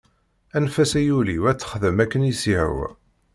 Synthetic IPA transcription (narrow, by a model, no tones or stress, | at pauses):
ænfæsæjuliwæt͡sːə̥χðəmækːənisiʕə̰w